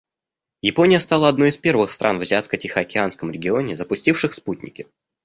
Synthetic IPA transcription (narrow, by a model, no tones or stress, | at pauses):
jɪpo̞nʲɪjəst̪alˠəɐd̪no̞jɪspʲe̞rvɨxst̪ɾʔa̰nvzʲɪat̪skətʲɪxəɐkʲɪanskəmɾʲɪɡʲɪo̞nʲɪzəpʊsʲtʲifʂɨxsputʲnʲɪ̰kʲɪ